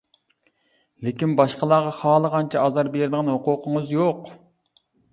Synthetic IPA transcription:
lekʲinbɑʃqəlˠɑʁɑχɑːlˠəʁɑnt͡ʃʰɛɑzɑɾbeɾɪd̪ɨʁɑnhoqʊqʰəŋəzjoq

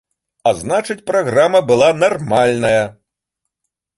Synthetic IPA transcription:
aznat͡ʂɨt͡sʲpɾaɣɾamɐbɨlˠanarmalʲnɐjɐ

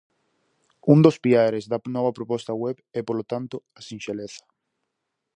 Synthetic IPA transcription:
ũnd̪ospiaɾezðanɔβapɾopɔst̪awɛβɛpolot̪ant̪oasĩnʃeleθḁ

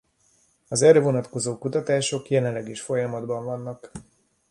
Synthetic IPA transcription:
ɒzɛɾøvonɒt̪ko̞zoːkut̪ɒt̪aːʃo̞kjɛlɛnlːɛɡeʃfo̞jɒmɒd̪bɒɱvɒnːɒk

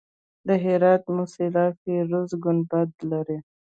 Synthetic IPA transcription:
d̪əɦɪɾɑt̪mʊsɪlɑteɾʊzɡʊnd̪̚bad̪laɾi

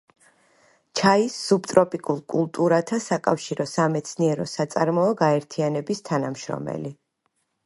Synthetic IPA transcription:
t͡ʃʰaisːubt̪ʼɾɔpʼikʼulˠkʼulˠt̪ʼuɾat̪ʰasakʼafʃiɾɔsamɛt̪sʰniɛɾɔsat̪sʼaɾmɔɔɡaɛɾt̪ʰianɛbist̪ʰanamʃɾɔ̰mɛ̰li

